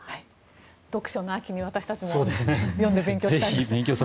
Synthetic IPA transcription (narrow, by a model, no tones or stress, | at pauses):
hai | d̪̥o̞kɯ̥ɕo̞noakʲiɲ̟iβat̪aɕi̥t̪at͡ɕimso̞ːd̪esɨnejõnd̪ebeŋkʲozeçibẽ̞ŋkʲo̞ːsa